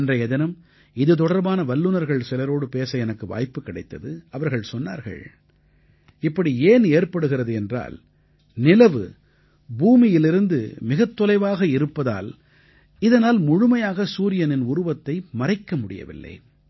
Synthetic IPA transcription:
ndrɐɛðɪnɯm | ɪðɯt̪̬ɔɽɐɾbaːnɐʋɐlːɯnɐɾɣɐɭsɪlɐɾoːɽɯpeːsɐɛnɐkːɯʋa̰ːjpːɯkːɪɽɐɪt̪ːɐðɯɐʋɐɾɣɐɭsɔnːa̰ːɾɣɐ̰ɭ | ɪpːɐɽieːneːɾpɐɽɯɣɪrɐðɯɛndra̰ːl | nɪlɐʋɯ̰ | buːmɪjɪlɪɾɯnd̪ɯ̰mɪɣɐt̪ːɔlɐɪʋaːɣɐɪɾɯpːɐða̰ːl | ɪðɐnaːlmʊɻʊmɐjaːɣɐsuːɾɪjɐnɪnʊɾʊʋɐt̪ːɐɪmɐrɐɪkːɐmʊɽɪ̰jɐ̰ʋɪ̰lːɐ̰ɪ

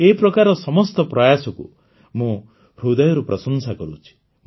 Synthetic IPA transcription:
epɾɔkaɾɔsɔmɔst̪ɔpɾɔjasɔkṵ | mũ | ɾud̪ajɔɾupɾʔɔsɔnsakɔɾṵt͡ʃʰi̥

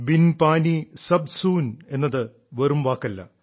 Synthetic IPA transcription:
binpaːnisɐbsuːne̞nːɐðɨ | ʋɐrumʋaːkːɐlːɐ̰

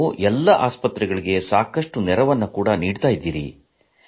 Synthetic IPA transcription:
uʔɛlːɐʔaːspɐt̪ɾɛɡɐɭiɡe̞saːkɐʂʈunɛɾɐʋɐnːɐkuːɽɐniːɽt̪aːjid̪ːiːɾḭ

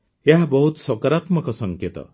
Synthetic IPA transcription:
eɦabɔɦut̪sɔkaɾat̪mɔkɔsɔŋket̪ɔ̰

